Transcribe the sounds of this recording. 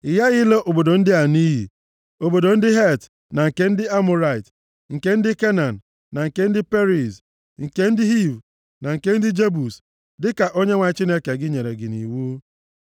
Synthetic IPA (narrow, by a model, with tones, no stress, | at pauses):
ɪ˨ja˦ɣɪ˦le˦ʔo˨bo˨do˨n̩˦dɪ˦a˨ni˦ɦḭ˨ | o˨bo˨do˨n̩˦dɪ˦ɦe˦t | na˨ŋ̩˨ke˦n̩˦dɪ˦a˦mʊ˨ɾa˨ɪ˨t | ŋ̩˨ke˦n̩˦dɪ˦ke˦na˨n̩˨ | na˨ŋ̩˨ke˦n̩˦dɪ˦pe˦ɾi˨s | ŋ̩˨ke˦n̩˦dɪ˦ɦi˦˨v | na˨ŋ̩˨ke˦n̩˦dɪ˦d͡ʒe˦bu˨s | dɪ˦ka˨ʔo˦ɲe˦ŋʷa˨˦t͡ʃi˦ne˦ke˨ɡɪ˦ɲe˨ɾe˨ɡɪ˨nḭ˨wu˦